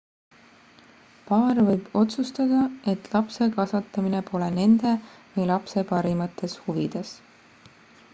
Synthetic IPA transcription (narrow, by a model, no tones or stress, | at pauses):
pɑːrvɤjb̥o̞t̪sust̪ɑd̪̥ɑe̞t̪ˑlɑpse̞kɑsɑt̪ːˑɑmine̞po̞le̞ne̞nd̪̥e̞vɯjlɑpse̞pɑɾimɑt̪ːˑe̞shuvid̪̥es